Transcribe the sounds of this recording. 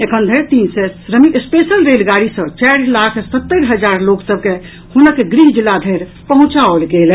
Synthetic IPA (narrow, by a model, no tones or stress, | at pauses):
ekʰənd̪ʱəɾt̪insɛɾəmiʔespesəlɾelɡaɾisə̃t͡ʃɛɾlakʰsət̪ːəɾɦəd͡ʒaɾloksəb̚ke | hunəkːeɡɾiɦd͡ʒilːad̪ʱəɾ | pəɦũt͡ʃaəlɡel